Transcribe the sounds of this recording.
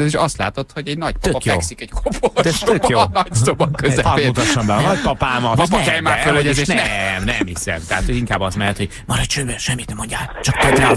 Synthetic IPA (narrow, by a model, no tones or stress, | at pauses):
ɛziʃɒst̪la̰ːt̪o̞t̪ho̞ɟɛɟnɒɟ̚pɒøpɒkjɛksikɛɟ̥kʰopolɛt̪økjonɒɟsobɒkøzɛɔeut̪ɒʃːɔmbɛnɒɟpɒpaːmɒɛɛjmaːfølɛɟɛeːʃnnɛmnɛmhisɛ̰mt̪ɛhat̪hoɟiŋkaːbɒst̪mɛlɛt̪hoɟ | mɒɾɒt͡ʃøːbɛʃɛmːit̪nɛmo̞ɲɟaːlt͡ʃɒk̚t̪ɒd̪ɾa